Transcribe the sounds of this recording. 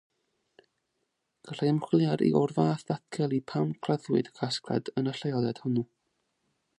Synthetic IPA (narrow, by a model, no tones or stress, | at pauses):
ɡ̥əɬaəmχlˠjaɾḭʔɔrvaːθatɡʰɛlˠipʰawmkʰrəðwɨ̰dkʰaskʰra̰dənəɬajɔðɛd̥hʊnu